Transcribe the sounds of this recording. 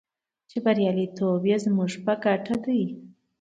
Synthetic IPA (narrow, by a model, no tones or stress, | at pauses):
t͡ʃebaɾjɑlit̪objezmuʐpəɡaʈʰad̪əj